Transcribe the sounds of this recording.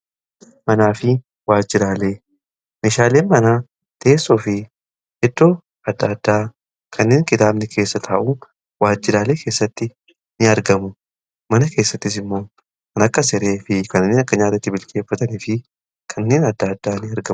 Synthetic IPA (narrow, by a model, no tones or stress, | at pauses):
mɐnaːfɪ | waːd͡ʒːɪɾaːle̞ː | meːʃaːle̞ːnmɐnaː | t̪ʰeːsːoːfɪ | hɛt̪ːoː | ɐd̪ːad̪ːaː | kʰɐnːe̞ːŋkʼɪt̪aːbnɛkʰe̞ːsːɐt̪ʰaːʔu | waːd͡ʒːɪɾaːle̞ːkʰeːsːɐt̪ːɪ | nɪɐɾɡɐmʊ | mɐnɐke̞ːsːɐt̪ːɪs̬ɪmːo̞ː | kɐnɐkːɐs̬ɛɾe̞ːfɪkɐnːeːnɐkːɐɲaːt̪ɐt̪ːɪbɪlkʼeːfːɐt̪ɐniːfɪ | kʰɐnːe̞ːnɐd̪ːaːd̪ːaːnɪɐɾɡɐ